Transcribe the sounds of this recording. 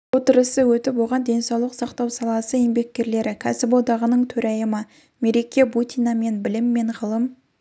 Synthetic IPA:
wo̞t̪əɾəsəwɵt̪ɪpwo̞ʁɑnd̪e̞nsɑwlˠəqsɑqt̪ɑwsɑlˠɑsəembe̞k̚ʲkʲe̞ɾle̞ɾʔɪkʲʰæsɪpod̪ɑʁənəɴt̪ʰɵɾʔæjəmə | me̞ɾe̞kʲebut̪ijnɑme̞nbɪlɪmːe̞ɴʁəlˠəm

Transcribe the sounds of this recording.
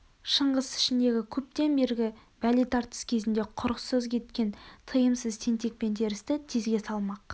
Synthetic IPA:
ʃəɴʁəsɪ̥ʃɪnd̪e̞ɡʲɪkʲʰɵp̚t̪e̞nbe̞ɾɡʲɪbælijt̪ʰɑɾt̪ə̥skʲʰe̞zɪnd̪e̞qʰʊɾəqsəzkʲʰe̞t̪kʲe̞nt̪ʰəjəmsəzt̪ʰent̪e̞k̚pe̞nt̪ʰe̞ɾɪst̪ɪt̪ʰezɡʲe̞sɑlˠmɑq

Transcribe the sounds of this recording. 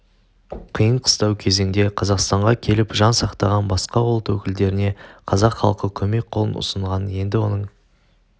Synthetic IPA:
qʰijəɴqʰə̥st̪ɑwkʲʰe̞ze̞ŋd̪e̞qʰɑzɑqst̪ɑɴʁɑkʲʰe̞lɪpʒɑnsɑqt̪ɑʁɑnbɑsqɑolˠt̪wɵkʲɪld̪e̞ɾɪne̞qʰɑzɑqχɑ̰lˠqəkʲʰɵme̞k̚ʲqʰo̞lˠə̰nʊ̰səɴʁɑnje̞nd̪ɪwo̞nəɴ

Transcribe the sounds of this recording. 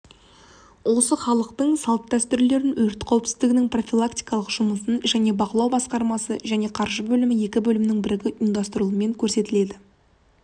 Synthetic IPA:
wo̞səχɑlˠəq̚t̪əɴsɑlˠp̪̚d̪æst̪ʏɾle̞ɾɪnwʔɵɾɪt̪qʰɑwɪpsɪzd̪ɪɡʲɪnɪŋpro̞fʲilˠakt̪ijkɑlˠəqʒ̥ʊməsənʒæne̞bɑqəlˠɑwbɑsqɑɾmɑsəʒæne̞qʰɑɾʒəbɵlɪmɪje̞kʲɪbɵlɪmɪnɪŋbɪɾɪɡʲɪɪnd̪ɑst̪əɾulˠəme̞ŋkʲʰɵɾse̞t̪ɪle̞d̪ɪ

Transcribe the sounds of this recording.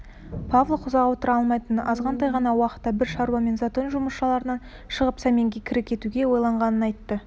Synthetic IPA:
pʰavlˠoqʰʊzɑʁwo̞t̪əɾɑlˠmɑjt̪ənɑzʁɑnd̪ɑjʁɑnɑwɑqə̥t̪ːɑbɪɾʃɑɾwɑme̞nzat̪o̞nʒʊməsʃɑlˠɑɾənɑn | ʃəʁəpsæme̞ŋɡʲekʲʰɪɾɪkʲʰe̞t̪uɡʲe̞wo̞jlˠɑɴʁɑnənɑjt̪ːə

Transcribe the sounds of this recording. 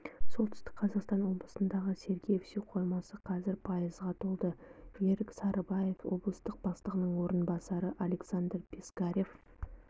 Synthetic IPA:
so̞lˠt̪ʰʏ̥st̪ɪ̥k̚qʰɑzɑqst̪ɑnwo̞blˠəsənd̪ɑʁəse̞ɾɡʲejfsewqʰo̞jmɑsəqʰɑzɪɾpʰɑjəzʁɑt̪ʰolˠd̪əje̞ɾɪksɑɾʔəbɑje̞fwo̞̰blˠəst̪əq̚bɑst̪əʁənəɴwo̞ɾənbɑsɑɾəʔale̞ksand̪rpʲʰeskaɾʲe̞f

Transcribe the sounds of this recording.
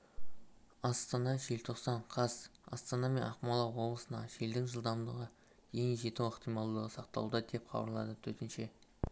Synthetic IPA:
ɑst̪ɑnɑʒelt̪ʰo̞qsɑɴqʰɑsɑ̰st̪ɑnɑme̞̰nʔɑχmɑlˠɑwo̞blˠəsənɑ̰ʒeld̪ɪŋʒəlˠd̪ɑmd̪əʁə | je̞ŋʒe̞t̪ɪwɪqt̪ijmɑlˠd̪əʁəsɑq̚t̪ɑ̰lˠud̪ɑd̪e̞pqʰɑ̰bəɾlˠɑ̰d̪ət̪ʰɵt̪ɪnʃe̞

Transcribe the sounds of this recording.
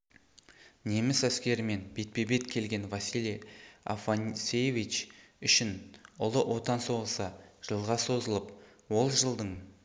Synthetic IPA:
ne̞mɪsæskʲe̞ɾɪme̞nbet̪̚pe̞be̞t̪kʲʰe̞lɡʲe̞nvɑsilea̰fansejvit͡ʃʏʃɪnʊlˠəʔo̞t̪ɑnso̞ʁəsəʒ̥əlˠʁɑso̞zəlˠəp | wo̞lˠʒəlˠd̪əɴ

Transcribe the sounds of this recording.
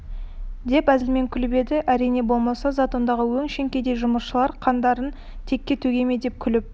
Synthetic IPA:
d̪e̞pæzɪlme̞ŋkʲʰʏlɪbe̞d̪ɪʔæɾijne̞bo̞lˠmɑsɑzat̪o̞nd̪ɑʁəwɵŋʃe̞ŋkʲe̞d̪e̞ʒʊməʃəlˠɑɾqʰɑnd̪ɑɾən | t̪ʰe̞kʲːe̞t̪ʰɵɡʲe̞me̞d̪e̞p̚kʲʰʏlɪp̚

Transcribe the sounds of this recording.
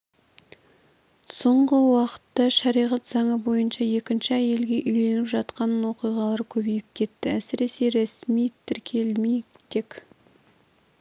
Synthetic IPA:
so̞ɴʁəwɑqə̥t̪ːɑʃɑɾijʁɑt̪zɑɴəbo̞jənʃɑje̞kʲɪnʃɪæje̞lɡʲe̞ʔʏjle̞nɪpʒɑt̪qɑnwo̞qijʁɑlˠɑɾkʲʰɵbe̞jɪp̚kʲʰe̞t̪ːɪæsɪɾe̞se̞ɾesmijt̪ʰɪɾkʲʰe̞lmejt̪ekʲ

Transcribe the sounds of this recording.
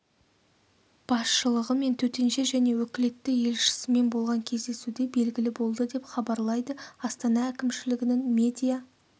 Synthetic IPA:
b̥ɑsʃəlˠəʁəme̞nt̪ʰɵt̪e̞nʃe̞ʒæne̞wɵkʲɪle̞t̪ːɪje̞lʃɪ̥sɪme̞nbo̞lˠʁɑŋkʲʰe̞zd̪e̞sud̪ebe̞lɡʲɪlɪbo̞lˠd̪əd̪e̞pχɑbɑɾlˠɑjd̪əɑst̪ɑnɑækʲɪmʃɪlɪɡʲɪnɪŋmʲe̞d̪ʲija

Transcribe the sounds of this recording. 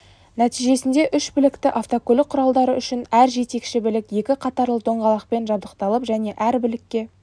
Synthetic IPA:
næt̪ijʒe̞sɪnd̪e̞ʔʏʃbɪlɪkt̪ɪʔaft̪okolɪk̚qʰːʊɾɑlˠd̪ɑɾəʏʃɪnæɾʒe̞t̪e̞kʃɪbɪlɪkje̞kʲɪqʰɑt̪ɑɾlˠəd̪ʰo̞ɴʁɑlˠɑq̚pe̞nʒɑbd̪əqt̪ɑlˠəpʒæne̞ʔæɾbɪlɪkʲːe̞

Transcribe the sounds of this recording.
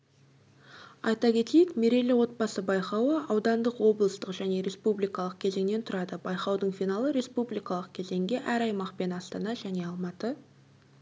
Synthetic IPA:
ɑjt̪ɑkʲʰe̞t̪ejɪkme̞ɾe̞lɪwo̞t̪̚bɑsəbɑjqɑwəɑwd̪ɑnd̪əqwo̞blˠəst̪əqʒæne̞ɾe̞spublijkɑlˠəq̚kʲʰe̞ze̞ŋne̞nt̪ʰʊɾɑd̪əbɑjqɑwd̪əɴfinɑlˠəɾe̞spublijkɑlˠəq̚kʲʰe̞ze̞ŋɡʲe̞ʔæɾɑjmɑqpe̞nɑst̪ɑnɑʒæne̞ɑlˠmɑt̪ə

